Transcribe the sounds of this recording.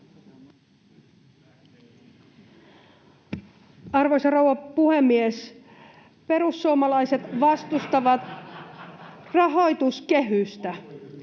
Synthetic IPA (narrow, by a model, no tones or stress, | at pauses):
ɑrʋojsɑrowʋɑpuhemːies | pe̞ɾusːuomɑlɑjset̪ʋɑst̪ust̪ɑʋɑt̪ | rɑɦo̞jt̪uskeɦyst̪æ